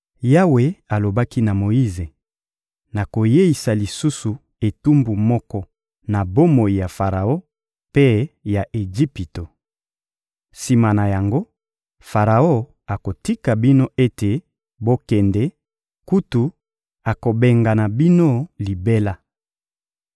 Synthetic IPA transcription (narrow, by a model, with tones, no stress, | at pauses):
ja˦we˨a˨lo˨ba˦ki˦na˨mo˨i˦ze˨ | na˨ko˨je˦i˨sa˨li˨su˦su˨ | e˨tu˦mbu˨mɔ˦kɔ˦ | na˨bo˦mo˨i˨ja˨fa˨ʁa˨o˦ | pe˦ja˨ʔe˨d͡ʒi˦pi˨to˨ | si˨ma˨na˨ja˨ŋɡo˦ | fa˨ʁa˨o˦ | a˨ko˨ti˦ka˨bi˦no˦ʔe˦te˨ | bo˦kɛ˨ndɛ˦ | ku˦tu˨ | a˨ko˨be˨ŋɡa˨na˨bi˦no˦li˨be˦la˦